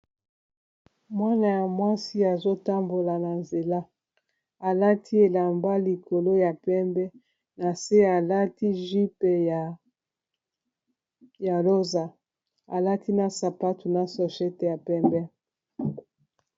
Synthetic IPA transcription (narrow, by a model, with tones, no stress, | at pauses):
mwa˦na˨ja˨mwa˦si˦a˨zo˦ta˦mbo˨la˨na˨nze˨la˦ | a˨la˦tʰi˦e˨la˨mba˦li˨ko˨lo˦ja˨pɛ˦mbɛ˦ | na˨se˦a˨la˦ti˦ʒi˦pɛ˨ja˨ | ja˨lo˦za˨ | a˨la˦tʰi˦na˨sa˨pa˦tu˨na˨so˨ʃe˦tɛ˨ja˨pɛ˦mbɛ˦